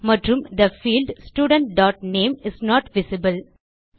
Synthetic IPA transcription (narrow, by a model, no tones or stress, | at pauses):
mʌɖɾũmd̪əfiːlɖsʈjuːɖə̃ɳʈ̚ɖɔːʈ̚nẽːmɪznɔːʈʋɪsɪbəl